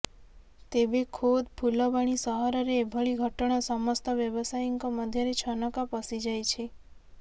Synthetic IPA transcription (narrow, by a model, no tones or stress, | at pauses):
t̪ebekʰod̪pʰulɔbaɽ̃isəɦaɾəɾebʱəɭiɡʱəʈəɳ̃asəmɔst̪əʋjəʋəsajiŋkəməd̪ʱjaɾet͡ʃʰənəkapəsid͡ʒajt͡ʃʰe